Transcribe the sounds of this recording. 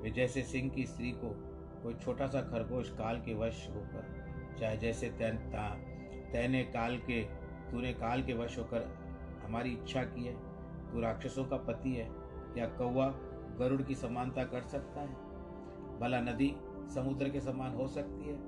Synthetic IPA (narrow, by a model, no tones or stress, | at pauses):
ʋed͡ʒɛːsesɪ̃ŋɡkist̪ɾiko | koːit͡ʃʰoːʈasakʰɐɾboːʃkaːlkeʋəʃɦoːkəɾ | t͡ʃaːɦed͡ʒɛːset̪ːt̪a | t̪ɛːnekaːlke | t̪unekaːlkeʋəʃɦoːkəɾ | ɦɐmaːɾiɪtːʃʰakiɦɛː | t̪uɾaːkʃəsõkapɐt̪iɦɛː | kjakɐwːa | ɡɐɾʊɽkisɐmaːnt̪akɐɾsɐk̚t̪aɦɛː | bɐlanɐd̪i | sɐmʊd̪ɾəkesɐmaːnɦosɐk̚t̪iɦɛː